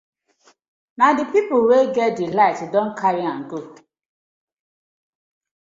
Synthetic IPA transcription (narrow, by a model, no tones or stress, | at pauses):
nadɪpipʊweɡedilaɪtdoŋ̩kʰaɾiaŋ̩ɡo